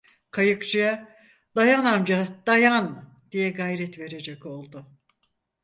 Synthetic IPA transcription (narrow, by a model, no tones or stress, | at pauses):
kʰajɯkt͡ʃʰɯja | d̪̥ajanamd͡ʒad̪̥ajan | d̪̥ijɛɡajɾɛt̪ve̞ɾe̞d͡ʒɛco̞lˠd̪ʊ